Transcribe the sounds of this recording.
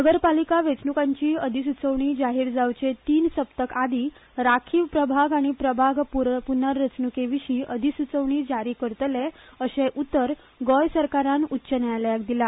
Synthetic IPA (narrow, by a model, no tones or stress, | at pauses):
nəɡəɾpalikaʋet͡snukãɲt͡ɕiːəd̪ʱisut͡səʋɳiːd͡ʑaɦiːɾd͡zawt͡ɕet̪iːnsəpt̪əkad̪iː | ɾakʰiːʋpɾəbʱaɡaɽ̃ipɾəbʱaɡpuɾpunəɾːət͡snukeʋiɕiːʔəd̪ʱisut͡səʋɳiːd͡ʑaɾiːkəɾt̪leəɕeʔut̪ːəɾ | ɡɔjsəɾkaɾanutːɕənjaljak̚d̪ila